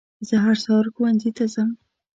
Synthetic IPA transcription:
zəɦaɾsɑɾxuwanzit̪azəm

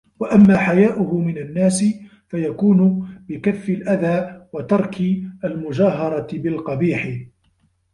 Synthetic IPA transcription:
waʔamːaːħajaːʔʊɦʊmɪnanːaːsɪ | fajakuːnʊbɪkafːɪlʔaðaːwat̪ɑɾˤkʰɪʔalmʊd͡ʒaːɦɑɾˤɑbɪlqɑbiːħɪ

